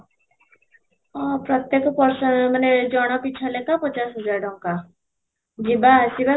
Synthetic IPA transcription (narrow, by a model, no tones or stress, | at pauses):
ɔpɾɔt̪jekɔpɔɾsɔmaned͡ʒɔɽ̃ɔpit͡ʃʰalekapɔt͡ʃasɦɔd͡ʒaɾɖɔŋka | d͡ʒibasiba